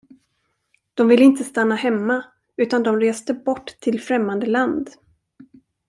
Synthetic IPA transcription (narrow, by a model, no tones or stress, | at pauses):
d̪̥ɔmvɪlːɪnt̪əst̪anːahɛmːa | ʉ̟ːt̪and̪ɔmɾeːst̪əbɔʈːt̪ʰːɪlfɾɛmːand̪əland̪